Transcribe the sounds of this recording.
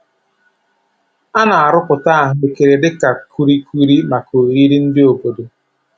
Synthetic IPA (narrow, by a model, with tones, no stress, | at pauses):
a˦na˨a˨ɾʊ˦kʊ˨ta˦a˨ɦʊ˨e˨ke˨ɾe˨dɪ˦ka˨ku˦ɾi˦kʷu˦ɾi˦ma˨ko˨i˦ɾi˦n̩˦dɪ˦o˨bo˨do˨